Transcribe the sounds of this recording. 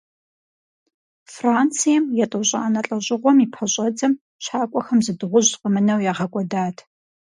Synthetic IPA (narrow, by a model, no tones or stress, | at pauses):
fraːnt͡sʰijɛmjɛtʼɨɕʼɐ̰ʔanɐɬʼɐʑʼɪʁʷɔmiːpʰɐɕʼɐd͡zɐm | ɕaːkʷʼɔxɐmzɨdɨʁʷʊʑqʼəmɨnɐwjaːʁɐkʷʼɔdaːtʰ